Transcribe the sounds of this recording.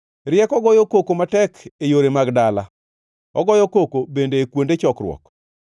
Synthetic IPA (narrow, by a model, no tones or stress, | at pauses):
ɾjɛkɔɡɔjokokomatɛkejoɾemaɡdala | ɔɡɔjɔkokobendeːkwondet͡ʃɔkɾwɔ̰k